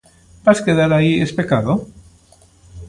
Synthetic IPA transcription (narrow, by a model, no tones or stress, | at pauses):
b̥askeðaɾaiespekaðo